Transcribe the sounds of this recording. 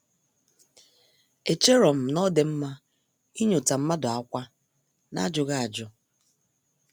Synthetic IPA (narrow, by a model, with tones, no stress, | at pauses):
e˨t͡ʃe˦ɾɔ˨m̩˨nɔ˦de˨m̩˦ma˦ | i˦ɲo˨ta˨m̩˦ma˦dʊ˨a˦kʷa˦ | na̰˦d͡ʒʊ˨ɣa˦a˨d͡ʒʊ˦